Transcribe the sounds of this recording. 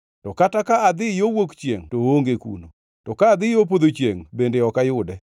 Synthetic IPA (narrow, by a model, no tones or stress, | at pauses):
tɔkatakaːd̪ɪjowokt͡ʃjḛŋtooŋɡekṵno̰ | tɔkaːd̪ɪjop̬od̪ot͡ʃjḛŋbendeɔkajʊdɛ